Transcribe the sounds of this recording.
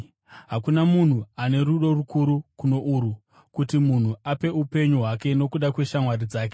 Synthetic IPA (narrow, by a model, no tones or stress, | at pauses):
ɦakunamun̤uane̞ɾuɗo̞rukuɾukuno̞ʔuːɾu | kutimun̤uape̞upe̞ɲuɦwake̞no̞kuɗakwe̞ʃamwarid͡zaːk̬e